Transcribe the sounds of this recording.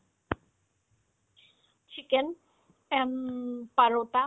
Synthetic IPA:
t͡ʃʰiken | ɛnpaɾot̪a

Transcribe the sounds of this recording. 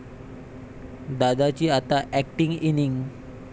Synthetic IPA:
d̪adat͡ʃiat̪aʔɛk̚ʈiŋiniŋ

